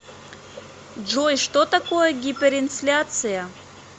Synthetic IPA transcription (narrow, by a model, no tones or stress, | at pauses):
d͡ʒojʂt̪ot̪akojəɡʲipʲeɾɪnflʲat̪sɨjɐ